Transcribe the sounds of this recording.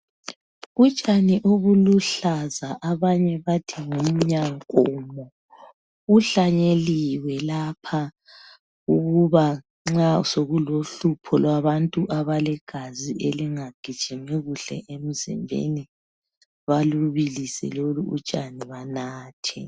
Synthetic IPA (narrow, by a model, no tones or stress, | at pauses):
ut͡ʃʼaniʔoβuluɬazaʔaβaɲɛβatʰiŋum̩ɲaŋkʼɔːmɔ | uɬaɲeliwɛlapʰa | uɣuβa | ŋ͡ǁasoɣuloɬupʰɔlwaβantʼuʔaβalɛɡ̥ʱazieliŋaɡ̥ʱid̥t͡ʃimiɣuɬɛ̰ʔem̩zɛ̰mbʱḛni | βaluβilisɛ̰loluṵt͡ʃʼaniβanaːtʰɛ̰